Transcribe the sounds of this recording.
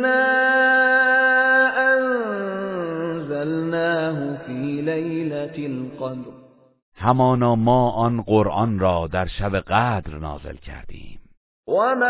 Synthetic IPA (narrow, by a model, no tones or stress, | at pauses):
naː | ʔan | zalnaːhʊfiːlajlalqɑd̪ɾ | hæmɒːnɒːmɒːʔɒnɢoɾʔɒnɾɒːd̪æɾʃæbeɣæːd̪ɾnɒ̰ːze̞̰lcʰæ̰ɾd̪ḭːm | wama